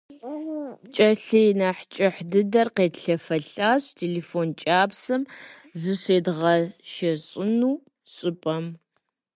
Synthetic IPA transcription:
t͡ʃʼɐɬɨjnaːħt͡ʃʼɐħdɨdɐrqeːdɬɐfɐɬaːɕtʰeːleːfoːnt͡ʃʼaːbsɨm | zɨɕeːdʁɐʃɐɕʼɪnuː | ɕʼɪpʼɐm

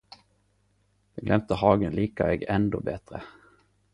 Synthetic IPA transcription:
d̪̥ɛɡlɛmt̪əhɑːɡənliːkaɛːɡɛnd̪oːbɛt̪ɾə

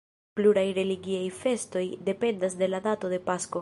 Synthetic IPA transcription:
pluɾajɾe̞liɡiajfe̞sto̞jde̞pe̞ndasde̞ladato̞de̞pasko̞

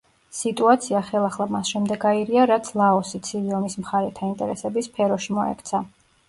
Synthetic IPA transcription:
sit̪ʼuat̪sʰiaχɛlˠaχlˠamasʃɛmd̪ɛɡaiɾiaɾat̪sʰlˠaɔsit̪sʰiviɔmismχaɾɛt̪ʰaint̪ʼɛ̰ɾɛsɛbispʰɛɾɔʃimɔɛ̰kʰt̪sʰa

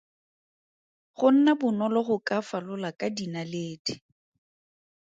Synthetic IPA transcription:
χʊn̩nabʊnɔlɔχʊkʼafalʊlakʼadinaleːdi̥

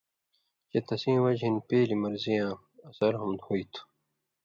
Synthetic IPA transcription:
t͡ɕet̪ɐsĩːwɐd͡ʑɦinpeːlimɐɾzijãː | ɐsɐɾɦɐmd̪hoːit̪ʰu̥

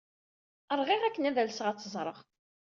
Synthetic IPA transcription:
əɾˤʁiʁækːənæðælsəʁæt͡sːəzˤɾˤə̰ʁ

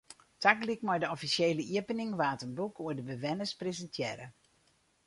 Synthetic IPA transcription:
tʰaklikmɔjdəɔfisjeːləʔiəpənɪŋʋaːtənbukuərdəbəʋɛnəsprezəntʰjɛːɾə

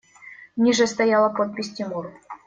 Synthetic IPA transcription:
nʲiʐɛst̪ajalˠəpot̪̚pʲisʲtʲimuɾ

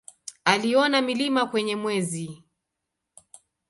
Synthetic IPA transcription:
aliɔnamilimakwɛɲɛmwɛzi

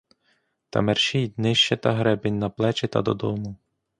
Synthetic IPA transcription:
t̪ɐ̰mɛrʃijt̪ʲnɪʃt͡ʃɛt̪ɐɦɾɛbɪnʲnɐplˠɛt͡ʃɪt̪ɐ̰d̪ɔd̪ɔmʊ

